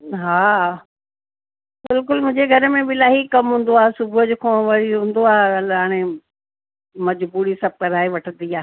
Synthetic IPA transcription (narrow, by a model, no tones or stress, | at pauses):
ɦaː | bɪlk̬ʊlmʊ̃ɦɪ̃ɲd͡ʑeɡʱɐɾmẽɓɪlaːɦikɐmɦũːn̆d̪oaːɦesʊbʱʊəd͡ʑʊkʰõːʋɐɽiɦũːn̆d̪oaːɦelɦaːɽ̃e | mɐd͡ʑbuːɾisɐb̚kɐɾaːeʋɐʈʰə̃nd̪iaːɦ